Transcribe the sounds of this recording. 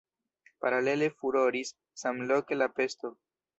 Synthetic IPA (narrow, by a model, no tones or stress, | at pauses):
paɾale̞le̞fuɾo̞ɾisː | amlo̞ke̞lape̞sto̞